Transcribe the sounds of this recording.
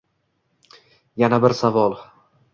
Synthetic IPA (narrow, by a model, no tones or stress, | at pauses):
janabɪɾsavɒlˠ